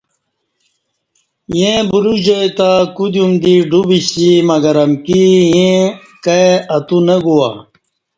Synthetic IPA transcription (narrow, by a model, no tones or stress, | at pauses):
jẽbuɾud͡ʑɐjt̪akud̪jumd̪iɖubiɕimɐɡɐɾɐmkijẽ | kɐeɐt̪unəɡuwa̰